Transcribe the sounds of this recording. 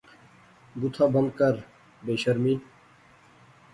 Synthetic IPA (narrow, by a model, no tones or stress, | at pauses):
bʊt̪ʰaːbə̃nd̪̚kəɾ | beːʃəɾmiː